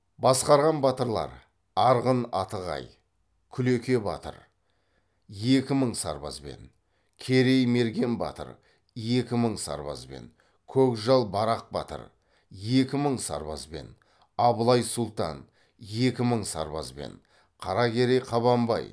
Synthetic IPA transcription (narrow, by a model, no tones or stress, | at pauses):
bɑsqɑɾʁɑnbɑt̪əɾlˠɑ̰ɾ | ɑɾʁənɑt̪əʁɑ̰j | kʲʰʏlekʲe̞bɑ̰t̪ə̰ɾ | je̞kʲɪməɴsɑ̰ɾbɑzbe̞̰n | kʲʰe̞ɾe̞jme̞ɾɡʲe̞nbɑ̰t̪ə̰ɾ | je̞kʲɪməɴsɑ̰ɾbɑ̰zbe̞̰n | kʲʰɵkʒɑlˠbɑɾɑq̚bɑ̰t̪ə̰ɾ | je̞kʲɪməɴsɑ̰ɾbɑ̰zbe̞̰n | ɑbəlˠɑjsʊlˠt̪ɑ̰n | je̞kʲɪməɴsɑ̰ɾbɑ̰zbe̞̰ɴ | qʰɑɾɑkʲʰe̞ɾejqʰɑβɑmbɑ̰j